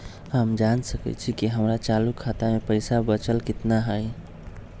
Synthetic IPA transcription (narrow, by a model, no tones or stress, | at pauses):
ɦəmd͡ʒansəkə̰t͡ʃʰikiɦəmɾat͡ʃalukʰːat̪amepəjsabət͡ʃəlkit̪naɦəj